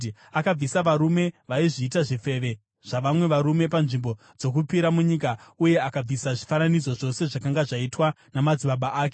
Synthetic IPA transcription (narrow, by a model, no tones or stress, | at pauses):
akab͡visaʋaɾume̞ʋaiʐiːtaʐife̞ʋe̞ | ʐ̥aʋamwe̞ʋaɾume̞panʐimbo̞ | d͡zo̞k̬upiɾamuɲikauje̞akab͡visaʐifananid͡zo̞ʐo̞se̞ʐakaŋɡaʐaitwa | namad͡ziɓaɓaʔaːke̥